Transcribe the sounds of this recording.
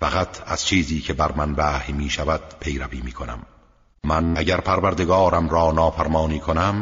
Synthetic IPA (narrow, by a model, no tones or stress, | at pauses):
fæʁat̪ʰæ̰z̥t͡ʃʰiːziːcʰe̞bæɾmænvæːhmiːʃævæd̪̥̚pʰe̞jɾæviːmiːkʰonæ̰mː | ænæɟæɾpʰæɾvæɾd̪e̞ɡɒːɾæmɾɒːnɒːfæɾmɒːniːkʰonæm